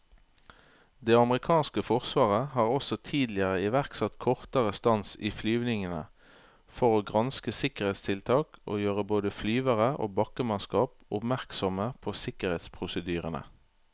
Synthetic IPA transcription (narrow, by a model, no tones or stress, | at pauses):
d̪eːɑmʁɪkʰɑːnskəfɔʁsʋɑːʁəhɑːʁɔsɔt̪ʰiːd̪lɪəʁəɪʋæʁksɑt̪kʰɔʁt̪əʁəst̪ɑnsiːflyːʋnɪŋənə̰ | fɔʁoːɡʁɑnskəsɪkəʁeːt̪st̪ʰɪlt̪ʰɑːkʔo̰ːjøːʁəboːd̪əflyːʋəʁəʔo̰ːbɑkəmɑnskɑːpʊpmæʁksɔməpʰoːsɪkəʁeːt̪spʰʁʊsəd̪yːʁənə̰